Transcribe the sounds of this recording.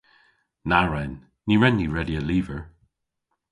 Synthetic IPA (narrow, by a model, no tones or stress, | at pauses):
naɹɛnː | iɹɛnːiɹɛdiəliːvəɹ